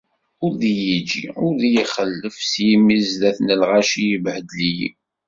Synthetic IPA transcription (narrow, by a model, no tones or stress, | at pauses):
ʊɾðijid͡ʒḭʊɾðjiχəlːəfsjimizðæθnəlʁaʃijəbhəd̪lijḭ